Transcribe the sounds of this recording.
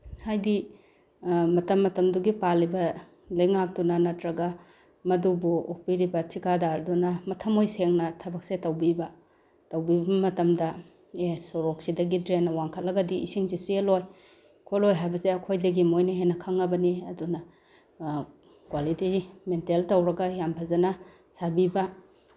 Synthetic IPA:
hajdi | mɐtɐmːɐtɐmduɡipalːibɐ | lɐjŋak̚tunɐnɐtɾɐɡɐ | mɐdubuok̚piɾibɐtʰikadaɾdunɐmɐtʰɐmojseŋnɐtʰɐbɐk̚setɐwbibɐ | tɐwbibɐmɐtɐmdɐ | esoɾok̚sidɐɡidɾenːɐwaŋkʰɐt̚lɐɡɐdiʔisiŋsiseloj | kʰolojɦajbɐseɐkʰojdɐɡimojnɐɦenɐkʰɐŋɐbɐniɐdunɐ | kwalitimenteltɐwɾɐɡɐjampʰɐzɐnɐ | sabibɐ

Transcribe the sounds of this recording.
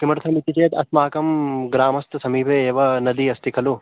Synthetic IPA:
kimɐɾt̪ʰɐmit̪it͡ʃeːt̪ɐ̰smaːkɐmɡɾaːmɐst̪sɐmiːpʰeːeːʋɐnɐd̪iɐst̪ikʰɐlu

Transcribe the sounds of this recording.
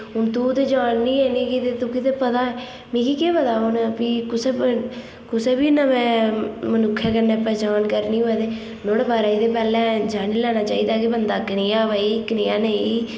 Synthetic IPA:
ɦʊnt̪uːt̪eːd͡ʒaːnːĩːeniːkit̪eːt̪uːkɪt̪eːpət̪aːɛ | mĩːkiːkeːpət̪aːɦʊnpiːkʊse | kʊseːbiːnamɛ̃ːmənʊkʰːjaːkəneːəpːɛ̃ːd͡ʒaːnkəɾniːoːɛːt̪eː | noːɽbaːɾaːiːd̪eːpɛːlɛ̃ːd͡ʒaːniːlɛːnaːt͡ʃaːiːd̪aːkebənd̪aːknɪjaːʋaːiːknɪjaːneiː

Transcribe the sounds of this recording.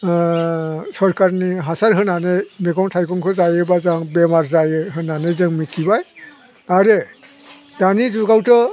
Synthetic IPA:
sɔɾkaɾniɦasaɾɦɯnanejmeɡɔŋtʰajkɔŋkʰɯzajɯbazaŋbemaɾzajɯɦɯnanezɯŋmitʰibaj | aɾe | danizuɡawtɔ

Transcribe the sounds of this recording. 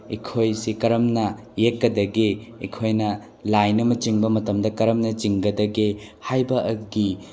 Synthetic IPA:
ikʰojsikɐɾɐmnɐjekːɐdɐɡiikʰojnɐ | lajnɐmɐt͡ʃiŋbɐmɐtɐmdɐkɐɾɐmnɐt͡ʃiŋɡɐdɐɡihajbɐʔɐɡi

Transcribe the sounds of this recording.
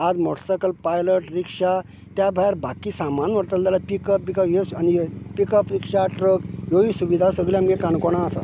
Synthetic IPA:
ad͡zmɔʈsakəlpajləʈɾikʂa | t̪jabʱajɾbakisamanʋəɽt̪əld̪alapikəpbikəjeanipikəpɾikʂaʈɾəkjoisuʋid̪ʱasəɡljamɡekaɳkɔɽ̃aːsa̰t̪

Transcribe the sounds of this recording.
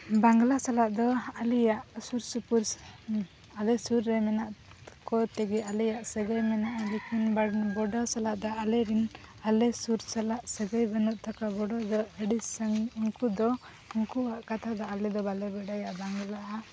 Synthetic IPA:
baŋɡlasalaʔd̪ɔalijaʔsuɾsupuɾ | alɛsuɾːɛmɛnaʔ | kɔt̪ɛɡɛalɛjaʔsɛɡəjmɛnaʔlekinbbɔɖɔsalaʔd̪aʔalɛɾinalɛsuɾsalaʔsɛɡajbənuʔ̪̚ˀt̪ʰakabɔɖɔd̪ɔəɖisaŋuŋkud̪ɔ | uŋkuaʔkat̪ʰad̪ɔalɛd̪ɔbalɛbɛɖajaʔbaŋɡlaa

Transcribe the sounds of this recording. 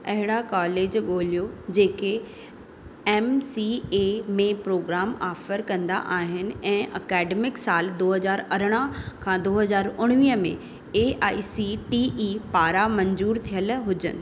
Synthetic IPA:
ɐɦɪɽakaːleːd͡ʑɠoːlijod͡ʑeːke | ɛːmsieːmẽpɾoːɡɾaːmaːfəɾkɐ̃nd̪a̰ʔaːɦɪnɪ̆ɛ̃ːʔɐkɛːɖemɪksaːld̪oːɦɐzaːɾɐɾəɽ̃əkʰãːd̪oːɦɐzaːɾʊɽ̃ʋiːəmḛ̃ | eːʔaːisiʈiʔiːpaːɾamɐ̃ɲzuːɾt̪ʰijəlɦʊd͡ʑə̰nɪ̆

